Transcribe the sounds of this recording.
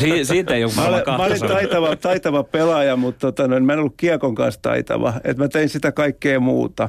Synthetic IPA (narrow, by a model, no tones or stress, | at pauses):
sisiːt̪eiomæolimæolint̪ɑit̪ɑʋɑt̪ɑit̪ɑʋɑpelɑjɑmut̪t̪ot̪ɑnoinmæenolːukkiɑkoŋkɑ̰nst̪ɑ̰it̪ɑ̰ʋɑ̰ḛt̪mæt̪einsit̪ækɑikːeːmṵːt̪ɑ